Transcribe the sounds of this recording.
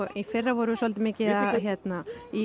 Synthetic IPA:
ifɪrːavɔɾʏðʏsɔlt̪ɪmɪːcɪðaðɦçjɛt̪nai

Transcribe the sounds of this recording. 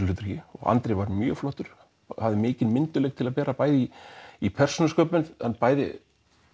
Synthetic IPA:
lfʏːt̪ʏ̥ɾ̥çɪɔ̰ɣa̰nt̪ɾejvaɾmjœ̰ːflɔht̪ʏɾ̥ | havðɪmɪːcɪðmɪnt̪ʏlɛkt̪ʰɪlaðpɛːɾapaːjðɪiipʰɛr̥sɔnaskœːpʏnhanpaːjðɪ̰

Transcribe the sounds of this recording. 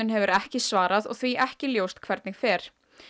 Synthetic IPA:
ʏnɦɛvʏɾɛhcɪsvaːɾaðɔ̰ɣθviʔɛhcɪljoːwst̪kʰv̥ɛɾt̪nɪxfɛːɾ̥

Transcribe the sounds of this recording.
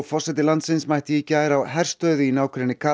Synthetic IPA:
ɣfɔr̥sɛjt̪ɪlant̪sɪnsmajht̪ɪjicːaːjɾawɦɛr̥st̪œɥðʏinaːwkʰɾɛnːɪkʰa

